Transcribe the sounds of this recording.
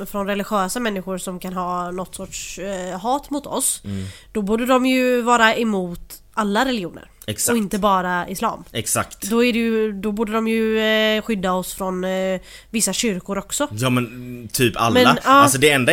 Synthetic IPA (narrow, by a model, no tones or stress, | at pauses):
fɾɔnɾɛlɪɧøːsamɛnːɪɧʊɾsɔmkʰanɦɑːnɔt̪ːsɔʈʂɦɑːt̪mʊt̪ɔ̰sd̪̥ɔbuːɖəɖɔmjɵvɑːɾaɛmuːt̪ | alːaɾɛlɪuːnə̰ɾ | ɛksɔɪnt̪əbɑːɾaɪslɑ̰ːmɛksa̰kt̪d̪ɔæɖɛjɵd̪ɔbuːɖədɔmjɵɧʏd̪ːaɔsfɾɔnvɪsːaɕʏɾkʊɾɔksɔjɑːmɛnt̪ʰyːpa̰lmɛːaɑːas̬ɔd̪ɛɛnd̪a